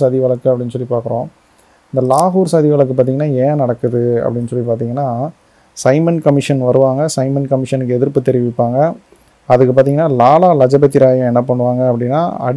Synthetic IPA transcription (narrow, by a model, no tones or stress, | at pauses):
aðiʋɐɭɐkːɯɐpːɐɽɪnːsɔlːipaːɾkɯɾõː | ɪnd̪ɐlaːɣuːɾsɐːðiʋɐɭɐkːɯpːaːɾt̪iːŋɡɐnːaːẽːnɐɽɐkːɯðɯɐ̰pːɐɽɪnːɯsɔlːipaːɾt̪iːŋɡɐnːaː | sɐɪmɐnkɐmɪʂɐnʋɐɾɯʋaːŋɡɐsɐɪmɐnkɐmɪʂɐnɯkːɛðɪɾpːɯt̪ːɛɾɪʋɪpːaːŋɡɐ | ɐðɯkːɯpaːɾt̪iːŋɡɐnːaːlaːlaːlɐd͡ʒɐbɐt̪ːɪɾaːjɐ̃ɛnːɐpɐɳːɯʋaːŋɡɐɐpːɐɽɪnːa̰ːɐ̰ɽ